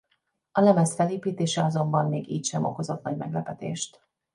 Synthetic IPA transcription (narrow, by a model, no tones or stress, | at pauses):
ɒlɛmɛsfɛleːpiːt̪eːʃɛɒzo̞mbɒmːeːɡiːcʃɛmo̞̰ko̞zo̞t̪̚nɒɟmɛɡlɛpɛt̪ḛːʃt̪